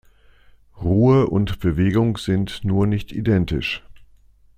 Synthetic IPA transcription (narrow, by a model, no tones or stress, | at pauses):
ʁuːəʔʊntb̥əveːɡʊŋz̥ɪntnuːɐnɪçtʰḭdɛntɪ̰ʃ